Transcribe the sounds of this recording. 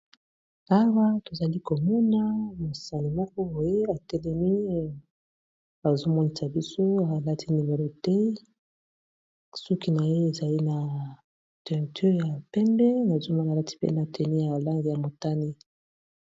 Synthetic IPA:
a˦wa˦to˨za˨li˦ko˨mɔ˦na˦mo˨sa˨ni˨mɔ˦kɔ˦bo˨je˦a˨tɛ˦lɛ˦mi˦ | a˨zo˦mɔ˦ni˨sa˨bi˦so˦a˨la˦tʰi˦ni˨me˨lo˦tɛ˦ | su˦ki˦na˨je˦e˨za˨li˦na˨ | tɛ˨ʁi˨ty˦˨ja˨pɛ˦mbɛ˦na˨zo˦ma˦na˨la˦ti̥˦pḛ˦na˨tʰɛ˨ni˦ja˨la˦ŋɡi˨ja˨mo˨ta˦ni˦

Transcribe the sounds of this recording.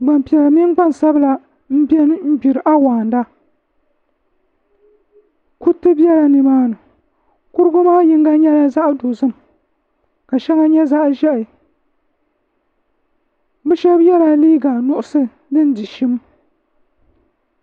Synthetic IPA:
ɡ͡ba˨m˨pi˨a˨mi˦nɡ͡ba˦n˨sa˦bɨ˦la˨ | m̩˦bɛ˦n˦m̩˦bi˨ɾɨ˨ʔa˦waː˨nda˦ | ku˦tɨ˦bɛ˦la˨nɨ˨maː˦nɨ˨ | kʊ˦ɾɨ˦ɡʊ˦maː˦ji˦ŋ˦ɡa˦ɲɛ˦la˦za˦ʔdo˨zɨ˦m˨ | ka˨ʃɛ˦ŋa˦ɲɛ˦za˦ʔʒɛ˦ʔɨ˨ | bɨ˦ʃɛ˦bjɛ˦la˦liː˦ɡa˨nʊ˦ʔʊ˦sɨ˦ | dɨ˦n˦di˨ʃi˦m

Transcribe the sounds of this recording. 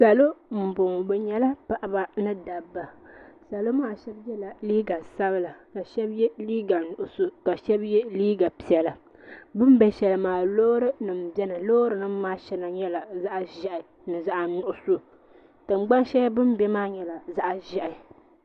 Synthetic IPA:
sa˨lo˦m̩˨bʊ˨ŋ˨bɛ˨ɲɛ˦la˦pa˦ʔa˨ba˨nɨ˦da˨bːa˨sa˨lo˦maː˦ʃɛ˦bjɛ˦la˨liː˦ɡa˨sa˦bɨ˦la˨ka˨ʃɛ˦bjɛ˦liː˦ɡa˨nʊ˨ʔʊ˨so˦ka˨ʃɛ˦bjɛ˦liː˦ɡa˨pi˨ɛ˨la˨ | bɨ˦m˦bɛ˦ʃɛ˨lɨ˨maː˨lo˦ɾɨ˦nɨ˨m̩˨bɛ˦nɨ˨lo˦ɾɨ˨nɨ˦maː˦ʃɛ˦na˨ɲɛ˦la˨za˦ʔa˦ʒɛ˦ʔɪ˨ | nɨ˨za˦ʔa˨nʊ˨ʔʊ˨so˦ | tɨ˨m̩˦ɡ͡ba˦n˦ʃɛ˦bɨ˦m˦bɛ˦maː˦ɲɛ˨la˨za˦ʔa˨ʒɛ˨ʔɪ˨

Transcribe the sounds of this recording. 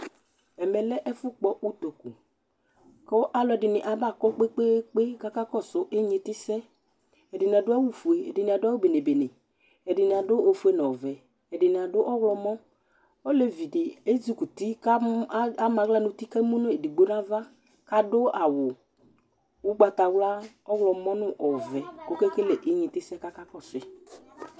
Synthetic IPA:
ɛ˨mɛ˨lɛ˦ʔɛ˦fʊ˦k͡pɔ˦u˦t̪o˨ku˨ | kɔ˦ʔa˦lɔ˨ɛ˨ɖɪ˨nɪ̃˨ʔa˨ba˦˨kɔ˦k͡pe˦k͡pe˦k͡pe˦ka˦ka˦kɔ˦˨sʊ˦ʔe˦ɲe˨t̪ɪ˦sɛ˦ | ɛ˨dɪ˨n˨a˨dʊ˦a˦wu˦fu˨e˨ɛ˨dɪ˨nɪ̃˨a˨dʊ˦a˦wo˦be˨ne˨be˨ne˨ | ɛ˨dɪ˨nɪ̃˨a˨ɖʊ˦o˨fu˨˦e˦nɔ̃˨vɛ˨ | ɛ˨ɖɪ˨nɪ̃˨a˨ɖʊ˦ʔɔ˦wɔ˦mɔ̃˦ | ɔ˦le˨vi˨dɪ˨e˦d͡zi˦ku˨t̪i˦ka˦a˦ma˨ɣla˦˨nʊ˨t̪i˦ka˦mu˦nʊ˦e˨di˨ɡ͡bo˦nã˦va˦ | ka˦dʊ˦a˨wʊ˨ | ʊ˦ɡ͡ba˧t̪a˨wla˦ | ɔ˦wlɔ˧mɔ˦nʊ̃˦ʔɔ˨vɛ˨ko˦ke˦ke˦le˨ʔɪ˦ɲɪ˨t̪ɪ˦sɛ˦ka˦ka˦kɔ˦˨sʊ˨ɪ˨

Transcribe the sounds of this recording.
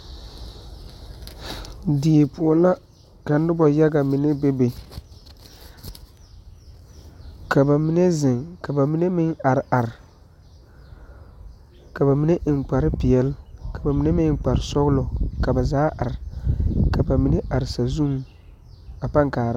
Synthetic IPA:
di˨e˨pʊ˨ɔ˨la˦ | ka˨n˦dɪ˦bɔ˨ja˦ɡa˨mɪ˨ne˦be˦be˨ | ka˨ba˨mi˦ne˦zɪ˨ŋka˨ba˨mi˦ne˦mɪ˦ŋa˨ɾɪ˨ʔa˨ɾɪ˨ | ka˨ba˨mi˦ne˦ʔɪ˨ŋ˨k͡pa˨ɾɪ˦pɪ˨jɛ˨lka˨ba˨mi˨ne˦mɪ˦k͡pa˨ɾɪ˨sɔ˦ɣlɔ˨ka˨ba˨zaː˦ʔa˨ɾɪ˨ka˨ba˨mi˨ne˦ʔa˨ɾɪ˨sa˨zu˦m | a˨pa˦ŋkaː˨ɾ

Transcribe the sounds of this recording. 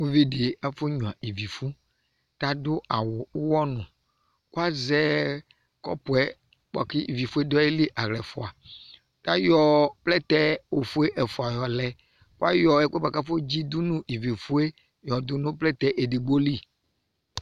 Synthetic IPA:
wo˦vi˦ɖe˨a˦fo˦ɲũ˨a˨i˨vi˨fu˦ | t̪a˦do˦ʔa˨wo˨˦wɔ˦nũ˨ | ku˦a˦zɛ˦ | kɔ̰˦po˨ɛ˦ | k͡pɔ̰˨ki˦i˨vi˨fu˦e˦d̪ɔ˦e˦li˦ʔa˨ɣlɛ˨fo˨a˨ | t̪a˦jɔ˨plɛ˦t̪ɛ˦wo˨fu˦e˦ʔɛ˨fu˨a˨jɔ˨lɛ˨ | ku˦a˦jɔ˨ɛ˦k͡pe˦ba˨ka˦fo˦d͡ʑi˦d̪u˦nũ˦i˨vi˨fu˦e˦ | jɔ˨d̪u˦nũ˦plɛ˦t̪ɛ˦ʔe˨ɖi˨ɡ͡bo˦li˦

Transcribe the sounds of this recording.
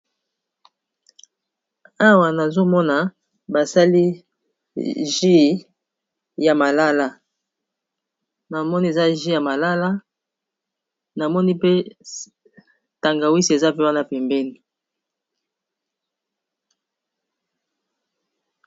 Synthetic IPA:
a˦wa˨na˨zo˦mɔ˦na˨ | ba˨sa˦li˦ | ʒi˦ | ja˨ma˨la˦la˦ | na˨mɔ˦ni˦e˨za˦ʒi˦ja˨ma˨la˦la˦ | na˨mɔ˦ni˦pe˦ | ta˨ŋɡa˨wi˦si˨e˨za˦pe˦wa˦na˦˨pɛ˨mbɛ˦ni˨

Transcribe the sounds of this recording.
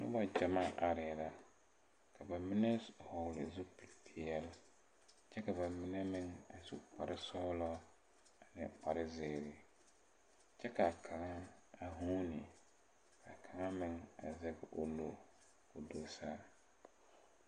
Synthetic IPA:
nʊ̰˦ba˨d͡ʒa˨ma˦ʔa˨ɾɪ˨la˨ | kʰa˨ba˨mɪ˦nɛ˦hɔ˨lɪ̰˨zu˦pi˨lpʰi˨jɛ˦l | t͡ʃɛ˦ka˨ba˨mɪ˦nɛ˦mɪ˨ŋa˨sṵ˨k͡pa˨ɾɪ˦sɔ˦lɔ˦ | a˨nɪ̰˨k͡pa˨ɾɪ˦zɪː˨ɾɪ˨ | t͡ʃɛ˦ka˨kʰa˨ŋa˦a˨ɦu˦nɪ˨ | kʰa˨kʰa˨ŋa˦mɪ˨ŋa̰˨zɛ˦ɡɪ˨ʔo˨lo̰˦ | o˨do˨sa˦

